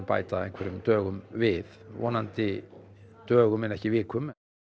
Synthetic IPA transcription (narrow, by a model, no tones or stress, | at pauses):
pa̰ːjt̪aejnŋ̥kʰvɛɾʏmt̪œːɣʏmvɪðvɔ̰ːnant̪ɪ | t̪œːɣʏmɛnɛhcɪvɪːkʰʏm